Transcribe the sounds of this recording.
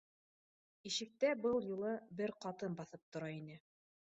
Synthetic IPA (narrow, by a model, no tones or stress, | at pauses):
iʃɘ̆k̚t̪æbɤlˠjulˠɤbɘɾqɑt̪ɤnbɑθɤp̚t̪ŏɾɑinɘ